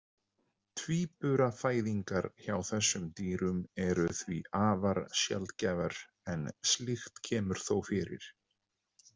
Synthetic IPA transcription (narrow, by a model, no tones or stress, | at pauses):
t̪ʰviːpʏɾafaːjðiŋkaɾçawθɛsːʏmt̪iːɾʏmɛɾʏθvḭaːvaɾsjɛ̰lt̪cɛːvaɾ̥ | ɛnslɪxt̪cʰɛːmʏɾ̥θowfɪɾɪ̰ɾ̥